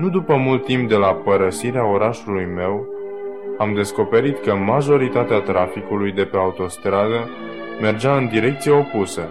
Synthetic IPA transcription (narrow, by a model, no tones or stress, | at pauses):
nud̪upəmult̪ːimp̚d̪e̞lapəɾəsiɾeaoɾaʃulujme̞w | amd̪e̞sko̞pe̞ɾit̪kəmaʒo̞ɾit̪at̪eat̪ɾafikulujd̪e̞pe̞aut̪o̞st̪ɾad̪ə | me̞rd͡ʒaɨnd̪iɾe̞k̚t̪sijeo̞pusə